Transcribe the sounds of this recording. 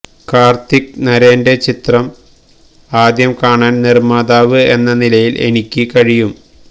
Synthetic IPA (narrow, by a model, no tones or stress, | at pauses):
kaːrt̪ik̚nɐɾeːnde̞t͡ɕit̪rɐm | aːd̪jɐmkaːɳaːnnirmaːd̪aːʋɨe̞nːɐnilɐjilʔe̞̰nikʲːɨkɐɻijum